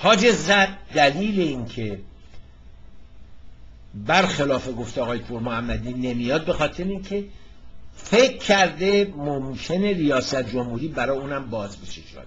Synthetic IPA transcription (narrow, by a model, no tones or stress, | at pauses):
hɒːd͡ʒe̞zæd̪̚d̪æliːle̞iŋkʰe̞ | bæɾxelɒːfe̞ɡoft̪eɒːɣɒːjepʰuɾmohæmːæd̪iːne̞mijɒːd̪̚be̞xɒːt̪ʰe̞ɾeiːŋcʰe̞ | fe̞kʰːæɾd̪e̞momkʲʰe̞ne̞ɾijɒːsæt̪̚ʰd͡ʒo̞mhuːɾiːbæɾɒːjeuːnæmbɒːzbeʃed͡ʒɒ̰ːn